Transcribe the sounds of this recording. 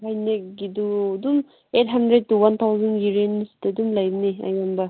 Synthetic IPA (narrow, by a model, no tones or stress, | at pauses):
ɦajneɡidudum | et̚ɦandɾed̚tuwant̪ʰawzɐnjiɾenːisi̥tːadumlɐjbɐniɐ̰jambɐ